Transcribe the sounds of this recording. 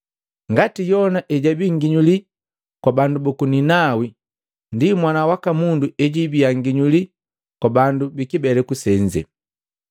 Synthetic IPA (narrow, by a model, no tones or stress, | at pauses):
ŋɡatijɔnaʔɛɟabiŋɡiɲuli | kwabandubukuninawi | ndimwanawakamunduɛɟibiaŋɡiɲuli | kwabandubikibɛlɛkusɛɲd͡ʒɛ̰